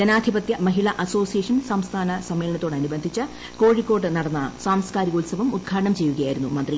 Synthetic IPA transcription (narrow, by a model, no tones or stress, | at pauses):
d͡ʑɐnaːd̪ʱibɐt̪jɐmɐɦiɭɐʔɐso̞ːsijeːʂɐnsɐmst̪ʰaːnɐsɐmːeːlɐnɐt̪ːo̞ːɽɐnubɐnd̪ʱit͡ɕːɨ | ko̞ːɻikːo̞ːʈːɨnɐɽɐnːɐsaːmskaːɾiɡoːlsɐʋɐmud̪̚ɡʰʱaːʈɐɳɐmt͡ɕe̞jːuɣɐjaːjiɾunːumɐnd̪ri